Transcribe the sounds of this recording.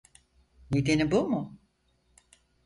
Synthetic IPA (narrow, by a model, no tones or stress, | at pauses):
ned̪enibumʊ